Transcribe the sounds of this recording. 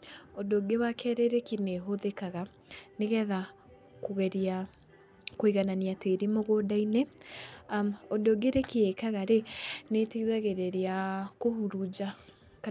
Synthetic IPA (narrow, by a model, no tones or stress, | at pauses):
odoɡewakʰɛɾeɾekineɦoðekaɣa | neɣɛða | koɣɛɾa | koiɣananiateɾimoɣodaine | odoɡeɾekiekaɣaɾeneteiðaɣeɾeɾeakohuɾud͡ʒa | k